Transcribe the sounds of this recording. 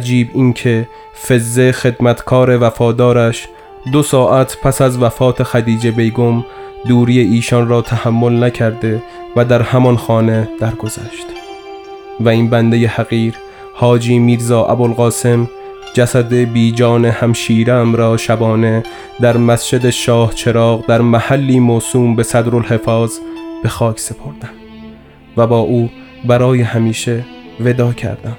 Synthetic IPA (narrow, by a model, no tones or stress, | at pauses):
æd͡ʒiːbiːnkʰe̞ | fe̞zːe̞xe̞d̪mæt̪ʰkʰɒːɾe̞væfɒːd̪ɒːɾæʃ | d̪osɒːʔæt̪ʰpʰæsæzvæfɒːt̪ʰexæd̪iːd͡ʒe̞be̞jɡom | d̪uːɾije̞ʔiːʃɒnrɒːt̪ʰæhæmːo̞lnæcʰæɾd̪e̞ | væd̪æɾhæmɒnxɒːne̞d̪̥æɾɡo̞zæ̰ʃt̪ | væiːnbænd̪ejehæɣiːɾ | hɒːd͡ʒiːmiːɾzɒːʔæ̰bolɣɒːse̞m | d͡ʒæsæd̪e̞biːd͡ʒɒːnehæmʃiːɾemɾɒːʃæbɒːne̞ | d̪æɾmæst͡ʃe̞d̪eʃɒːht͡ʃʰe̞ɾɒːɣd̪æɾmæhælːiːmoːsuːmbe̞sæd̪ɾolhe̞fɒːzb̥e̞xɒːkʰse̞pʰo̞ɾd̪̥ænd̪ | væbɒːʔuː | bæɾɒːje̞hæmiːʃe̞ve̞d̪ɒːcʰæ̰ɾd̪æn̥